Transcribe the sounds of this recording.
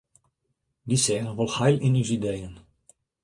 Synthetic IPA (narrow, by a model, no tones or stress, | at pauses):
disɛːrəʋɔlˠxajlɪnywsidejən